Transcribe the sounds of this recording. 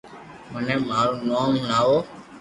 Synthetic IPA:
mənẽːmaːɾoːnoːmnaːʋoː

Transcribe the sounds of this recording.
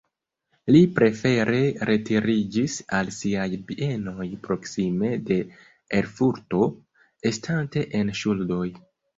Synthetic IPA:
lipɾe̞fe̞ɾʔe̞ɾe̞tiɾid͡ʒisalsiajbiʔe̞no̞jpɾo̞ksime̞de̞ | eɾfuɾto̞ | e̞stʰante̞ʔenʃuldo̞j

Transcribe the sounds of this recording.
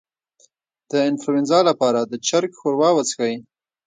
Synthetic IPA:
d̪̥əɪnfluɪnzɑlapɑɾad̪ət͡ʃaɾkxoɾwɑwat͡skawi

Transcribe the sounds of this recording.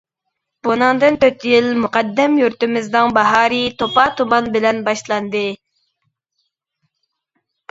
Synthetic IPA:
b̥unɨŋd̪ɨnt̪øt̪jilmuqɑd̪ːɛmjuɾt̪ɪmɪznɨŋbɑɦɑːɾit̪ʰopɑt̪ʰumɑnbɪlɛnbɑʃlˠɑnd̪ɨ

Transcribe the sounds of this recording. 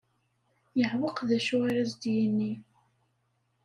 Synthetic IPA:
jəʕwəqðæʃʊaɾæzd̪jənːi

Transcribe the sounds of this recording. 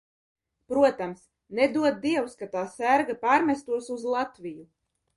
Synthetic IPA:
pɾuɔt̪ams | nɛd̪uɔd̪̚d̪iɛwskat̪aːsæɾɡapaːɾmʲɛst̪uɔsuzlˠat̪vʲiju

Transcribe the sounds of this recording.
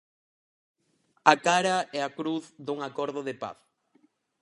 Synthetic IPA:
akaɾɐɛakɾuθðuŋakɔɾðʊðepa̰θ

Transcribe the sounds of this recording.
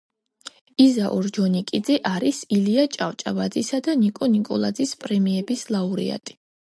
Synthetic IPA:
izaʔɔɾd͡ʒɔnikʼid̪zɛʔaɾisiliat͡ʃʼaft͡ʃʼavad̪zisad̪anikʼɔnikʼɔ̰lˠad̪zispʼɾɛmiɛbislˠauɾḭa̰t̪ʼi̥

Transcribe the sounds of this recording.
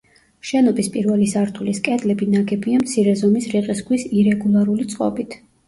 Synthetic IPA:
ʃɛnɔbispʼiɾvɛlisaɾt̪ʰuliskʼɛd̪lɛbinaɡɛbiamt̪sʰiɾɛzɔmisɾiqʼisɡwisiɾɛɡulˠaɾulit̪sʼqʼɔ̰bit̪ʰ

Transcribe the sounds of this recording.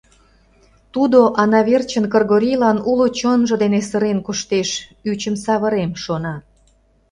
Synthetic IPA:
t̪ud̪oʔɑnɑβert͡ɕənkərɣoɾʲijlɑnulot͡ɕonʒə̆d̪enesəɾenkoʃt̪eʃyt͡ɕəmsɑβəɾemʃonɑ

